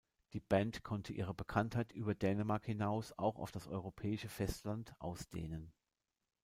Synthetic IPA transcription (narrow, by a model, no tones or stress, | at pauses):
d̥iːbɛntkʰɔntʰəʔiːʁ̞əbəkʰanthaɪtʔyːbɐdɛːnəmaɐkhɪnaʊsa̰ʊxa̰ʊfd̥asʔɔʏʁopʰɛːɪʃəfɛstʰlantʔa̰ʊsd̥ḛːnən